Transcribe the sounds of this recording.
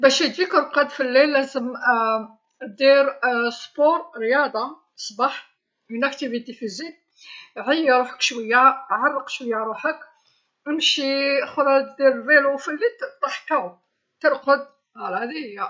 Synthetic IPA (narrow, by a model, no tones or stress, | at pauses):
bæʃid̪ikəɾqəd̪filːilːæzəm | d̪iɾspoɾɾjɑd̪ˤɑ | sˤbɑħ | mənʔækt̪ivid̪ifizin | ʕəjːɾˤuħə̥kʃwəjːæʕɑrˤːəqʃwəjːaɾˤuħək | ʔəmʃixʊɾˤɑd̪d̪iɾvilufilːit̪t̪ˤɑħk̪ːæ | t̪əɾˤqəd̪̚ | hælæd̪ijːæ